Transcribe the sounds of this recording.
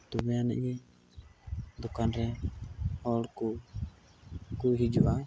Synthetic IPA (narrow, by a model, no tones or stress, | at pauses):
t̪ɔbɛanɛ̰ʔɡɛ | d̪ɔkanɾɛ | hɔlku | kuɦid͡ʒuʔa